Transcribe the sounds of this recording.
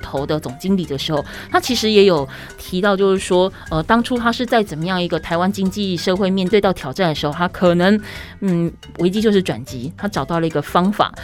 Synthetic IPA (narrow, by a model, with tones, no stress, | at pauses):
t̪ʰo˧˥ʊd̪ə˨t͡sʊ˨˩ŋt͡ɕi˥ŋli˨˩d̪ə˦˩ʂɻ̩˧˥xo˥˩ʊ | t̪ʰa˥t͡ɕʰi˧˥ʂɻ̩˧˥jɛ˧˥jo˨˩ʊ | t̪ʰi˧˥t̪ɑ˥˧ʊt͡ɕjo˥˧ʊʂɻ̩˥˩ʂwɔ˥ | ə˥˨t̪ɑ˥ŋʈ͡ʂʰu˥t̪ʰa˥ʂɻ̩˥˧t͡sa˥˩ɪt͡sə˨˩nmə˦jɑ˥˩ŋi˧˥ɡə˧t̪ʰa˧˥ɪwa˦˥nt͡ɕi˥ŋt͡ɕi˥˧ʂɤ˥˧xwe˥˧ɪmjɛ˥˧nt̪we˥˧ɪɑ˥˩ʊt̪ʰjɑ˨˩ʊʈ͡ʂa˥˩nd̪ə˩ʂ̩˧xo˥˧ʊt̪ʰa˥kʰɤ˨˩nə˧˦ŋ | n̩˥˩ | we˧˥t͡ɕi˥t͡ɕjʂ̬ɻ̩˥˩ʈ͡ʂwa̰˨˩nt͡ɕi˧˥t̪ʰa˥ʈ͡ʂɑ˨˩ʊt̪ɑ˥˩ʊlə˩i˧˥ɡə˩fɑ˥ŋfa̰˨˩˦